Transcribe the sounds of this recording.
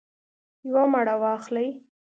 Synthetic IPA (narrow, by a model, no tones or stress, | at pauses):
jwamaɽawɑxlaj